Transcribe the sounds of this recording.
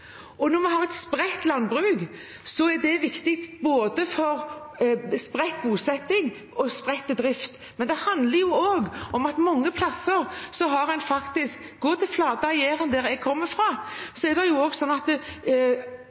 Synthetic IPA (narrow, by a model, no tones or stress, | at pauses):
ɔnɔmɛɦɑːʁɛt̪spɾɛt̪lɑnbɾʉːɡ | sɔæɖɛʋɪkt̪ɪk̚t̪boːd̪əfɔɾ | spɾɛt̪̚buːsɛt̪ːɪŋ | ɔspɾɛt̪ːəd̪ɾɪft̪ | mɛnd̪ɛhɑnd̪ləɾjʊoːɡɔmɑt̪mɔŋːəpʰlɑsəɾsɔɦɑɾɛnfɑkt̪ɪsk | ɡoːt̪ʰɪlflɑːd̪əɑjeːɾənd̪æːɾɛɡ̚kʰɔmːəfɾʁɑːsɔæɾd̪ɛjʊoːɡsɔnːɑt̪